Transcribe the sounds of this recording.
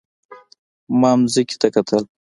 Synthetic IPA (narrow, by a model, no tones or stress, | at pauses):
mɑːmziki̥t̪akat̪ʰəl